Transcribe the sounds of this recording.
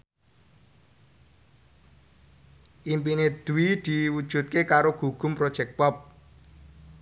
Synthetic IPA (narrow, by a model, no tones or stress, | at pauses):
ʔimp̬ined̪̥uwid̪̥iwud̥ʒ̥ṳt̪̚kekaɾoɡ̥uɡ̥ʊ̤mpɾɔd̥ʒ̥ɛk̚pɔp̚